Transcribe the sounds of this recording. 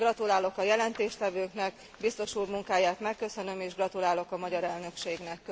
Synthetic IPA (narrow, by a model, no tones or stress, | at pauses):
ɡrɒt̪ulaːlo̞kɒjɛlɛnt̪eːʃt̪ɛvøːknɛk | bist̪o̞ʃuːrmuŋkaːjaːt̪mɛkːø̞sø̞nø̞meːʒɡrɒt̪ulaːlo̞kɒmɒɟɒɾɛlnø̞kʃeːɡnɛkː